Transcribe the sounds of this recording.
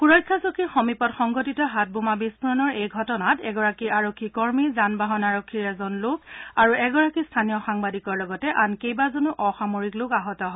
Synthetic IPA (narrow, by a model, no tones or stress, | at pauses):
kuɹɔjkʰːasokixɔmipɔtxɔŋɡɔtitɔɦat̚bumabispʰuɹɔnɔɹejɡʱɔtɔnatɛɡɔɹakiaɹokʰːikɔɹmizanbaɦɔnaɹokʰːiɹɛzɔnlʊkaɹuɛɡɔɹakistʰanijɔxaŋbadikɔɹlɔɡɔtɛʔankejbazonuʔɔxamoɹiklʊkaɦɔtɔɦɔ